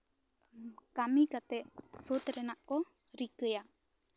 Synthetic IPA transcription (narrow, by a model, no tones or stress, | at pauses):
kamikat̪ɛʔsot̪ɾɛnaʔkɔɾikəja